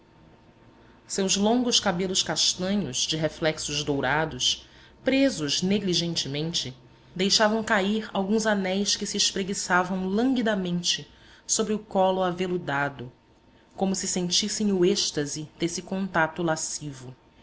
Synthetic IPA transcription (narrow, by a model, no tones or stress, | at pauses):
sewzlõŋɡʊskabelʊʃkaʃt̪ɐ̃ɲʊz̥d͡ʒɪɦeflɛksʊzd̪owɾad̪ʊs | pɾezʊzneɡliʒẽnt͡ʃɪmẽnt͡ʃɪ | d̪ejʃavɐ̃w̃kaiɾawɡũzanɛjskɪsiːʃpɾeɡisavɐ̃w̃lɐ̃ŋɡid̪ɐmẽnt͡ʃɪ | sobɾɪʊkɔlʊavelʊd̪ad̪ʊ | kõmʊsɪsẽnt͡ʃisẽj̃ʊeʃt̪ɐzɪd̪̥esɪkõnt̪at̪ʊlasivʊ